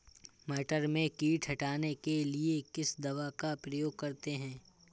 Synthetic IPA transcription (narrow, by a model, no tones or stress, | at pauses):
mɛːʈəɾmẽkiːʈʰɦɐʈaːnekeliekɪsd̪ɐʋakapɾɐjoːɡ̚kɐɾt̪eɦɛ̃ː